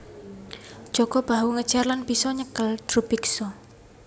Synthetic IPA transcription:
ʒ̥ɔ̤ɡ̥ɔb̥a̤uŋəd̥ʒ̥arlanb̥isɔɲəkəld̪̥ɾupiksɔ

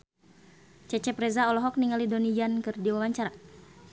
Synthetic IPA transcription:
t͡ʃɛt͡ʃɛpɾɛzaɔlɔɦɔk̚niŋalidonid͡ʒankɨrdiwawaɲt͡ʃaɾa

